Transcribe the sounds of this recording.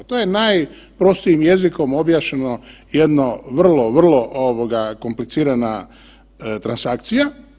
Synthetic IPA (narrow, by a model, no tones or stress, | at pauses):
t̪oje̞naj | pɾo̞st̪iimje̞ziko̞mo̞bjaːʃeno̞je̞d̪noʋr̩lˠo̞ʋr̩lˠo̞ʔoʋoɡako̞mplit̪siːɾana | t̪ɾansakt̪sija